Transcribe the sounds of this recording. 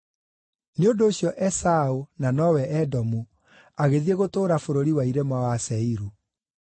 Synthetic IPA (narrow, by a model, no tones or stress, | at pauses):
neondoːɕjɔʔɛsaonanɔwɛʔɛdɔmu | aɣeðieɣotoːɾafoɾoɾiwaiɾemawasɛiɾu